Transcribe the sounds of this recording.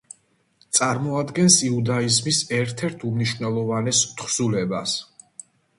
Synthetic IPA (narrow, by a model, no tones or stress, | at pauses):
t̪sʼaɾmɔad̪ɡɛnsiud̪aizmisɛɾt̪ʰɛɾt̪ʰumniʃvnɛlˠɔvanɛst̪ʰχz̥ulɛbas